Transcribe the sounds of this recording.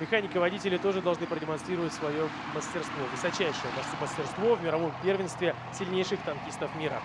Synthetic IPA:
mʲɪxanʲɪkəvɐdʲitʲɪlʲɪt̪o̞ʐɨd̪ɐlˠʐnɨpɾədʲɪmɐnst̪ɾʲiɾəvətʲsvɐjo | məsʲtʲɪrst̪vovɨsɐt͡ɕæjʂɨjəpɐsməsʲtʲɪrst̪vo̞vmʲɪɾɐvo̞mpʲe̞rvʲɪnst̪vʲɪ | sʲɪlʲnʲejʂɨxt̪ɐnkʲist̪əfmʲiɾə̰

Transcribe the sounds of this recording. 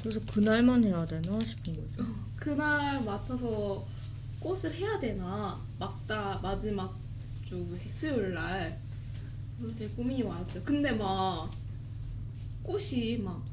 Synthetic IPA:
kɯɾesʰʌkɯnaɭmanɦe̞jadwenʌɕʰi̥pʰɯnɡʌd͡ʑo | kɯnaɭmat͡ɕʰʌsʰʌ | k͈osʰɯɭhe̞jadwe̞na | mak̚t͈amad͡ʑimak̚ | t͡ɕ͈oɡesʰujoɭːaɭ | kʌtekomiɲimanas͈ʌjokɯnde̞ma | k͈oɕʰimak̚

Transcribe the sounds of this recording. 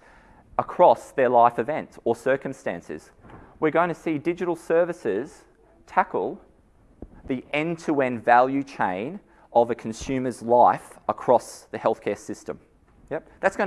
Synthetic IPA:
əkʰɹ̥ɔsðə˞laɪfɨvɛ̃ntsə˞sɜ˞kɨ̃m̩stæ̰̃nsɨ̰z̥wɪɹɡõʊɪ̃ŋtʰɨsidɪd͡ʒɨɾl̩ˠsɜ˞vɨsɪz̥ | tʰækl̩ˠ | ðiʔɛ̃ntʰəɛ̃nvælˠjʉt͡ʃʰẽɪ̃n | ʔʌvɨkʰn̩sʉ̃mə˞zlaɪfəkʰɹ̥ɔsðɨhɛlˠθkʰɛɹsɪstə̰̃m | jɛ | ðætsɡ̥ʌ̃n

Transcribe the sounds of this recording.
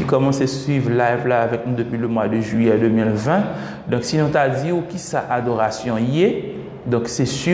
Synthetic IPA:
ikɔmɑ̃sesɥivʁlajvlaːvɛknũd̪əpɥiləmwad̪əʒɥijɛd̪ømilvɛ̃ | d̪ɔ̃ksinɔ̃t̪ad̪iukisaʔad̪oʁasjɔ̃iɛ | d̪ɔ̃ksɛsy

